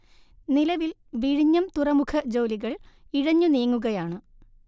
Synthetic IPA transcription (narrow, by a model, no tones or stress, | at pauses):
nilɐʋil | ʋiɻiɲːɐmt̪urɐmukʰɐd͡ʑo̞ːliɣɐɭiɻɐɲːuniːŋːuɣɐjaːɳɨ